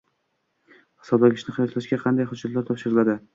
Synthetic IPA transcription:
hɨ̥sɒblaɡʲɪʃnɪχɪjɒt̪laʃɡʲaqʰɑnd̪ajχʊd͡ʒat̪laɾt̪ʰɒpfʃɪɾɪlad̪ɪ

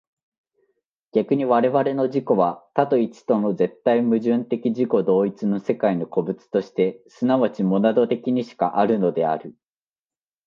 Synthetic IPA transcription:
ɡ̥ʲakɯ̟ɲ̟iβaɾe̞βaɾe̞no̞ʑiko̞βat̪at̪o̞it͡ɕi̥t̪o̞no̞ze̞t̪ːaimɯ̟ʑɨ̃nt̪e̞kʲiʑiko̞d̪o̞ːit͡sɨno̞se̞kaino̞ko̞bɯ̟t͡sɨ̥t̪o̞ɕi̥t̪e̞sɨnaβat͡ɕimo̞nad̪o̞t̪e̞kʲiɲ̟iɕi̥ka̰ʔaɾɯ̟no̞d̪e̞a̰ɾɯ̟

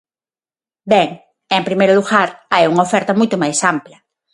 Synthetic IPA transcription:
bɛŋ | empɾimejɾʊluɣaɾajuŋɐofɛɾt̪ɐmujt̪ʊmajsamplɐ

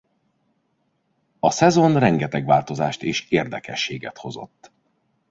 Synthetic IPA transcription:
ɒsɛzo̞nrɛŋɡɛt̪ɛɡʋa̰ːlt̪o̞zaːʃt̪eːʃeːrd̪ɛkɛʃːeːɡɛt̪ho̞zo̞̰t̪ː

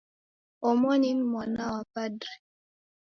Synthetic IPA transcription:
ɔmɔninmwanawapada

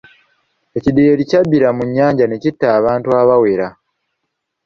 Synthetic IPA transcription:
e̞cideːɾicabːiɾamuɲːaːɲɟane̞citːaːβaːntuaβawe̞ɾa

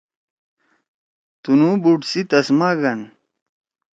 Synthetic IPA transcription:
t̪unubuʈsit̪ɐsmaɡɐn

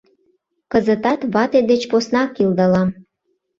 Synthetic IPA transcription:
kəzət̪ɑt̪βɑt̪ed̪et͡ɕposnɑkild̪əlɑm

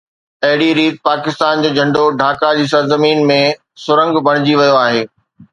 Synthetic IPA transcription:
ɐɦɪɽiɾiːt̪̚paːkɪst̪aːnd͡ʑeːd͡ʑʱɐ̃ɳɖoɖʱaːkad͡ʑiːsɐɾzəmiːnmẽ | sʊɾə̃ŋɡbʱɐɽ̃ɪd͡ʑiʋɐjoaːɦeː

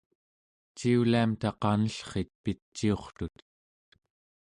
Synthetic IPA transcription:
t͡ʃiuliamt̪ɑqɑnəɬχe̞t̪̚pit͡ʃːio̞χt̪ut̪

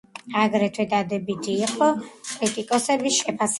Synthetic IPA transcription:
aɡɾɛt̪ʰwɛd̪ad̪ɛbit̪ʰiːqʼɔkʼɾit̪ʼikʼɔsɛbisʃɛpʰas

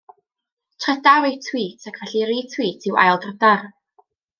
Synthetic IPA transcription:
tʰrɛdawejtʰw̥iːtʰakʰvɛɬiɾiːtʰwiːtʰɪwa̰jlˠdrədar

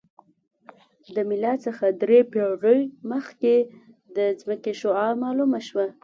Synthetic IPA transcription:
d̪əmɪlɑt͡səxad̪ɾepeɾəjməxke | d̪əzməkeʃoɑɾmɑlumaʃwa

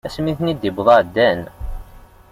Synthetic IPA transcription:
æsmiθnid̪ibðˤɑd̪ːæn

